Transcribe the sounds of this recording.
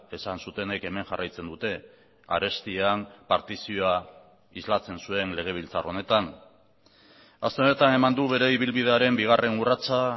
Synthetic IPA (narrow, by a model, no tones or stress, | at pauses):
e̞sansut̪e̞ne̞ke̞me̞ŋʝarajt͡se̞nd̪ut̪e̞ | a̰ɾe̞st̪iampaɾt̪isioa | izlat͡se̞nsue̞nle̞ɣ̞e̞β̞ilt͡saro̞ne̞t̪an | ast̪e̞one̞t̪ane̞mand̪uβe̞ɾe̞iβ̞ilβið̞e̞aɾe̞mbiɣ̞are̞nurat͡sa